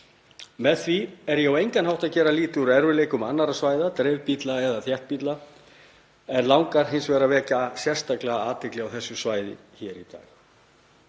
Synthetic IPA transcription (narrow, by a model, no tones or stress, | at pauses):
mɛðθviɛɾjɛawejŋkanhawht̪aðcɛːɾaliːt̪ɪuɾɛɾvʏleːjkʏmanːaɾasvaːjðat̪ɾejvpit̪laɛðaθjɛht̪̚pit̪la | ɛnlawŋkaɾ̥ɦɪnsvɛːɾavɛːcasjɛr̥st̪aklɛɣaaːt̪ɪklɪawθɛsːʏsvaːjðɪ̰ | çɛɾit̪a̰ːɣ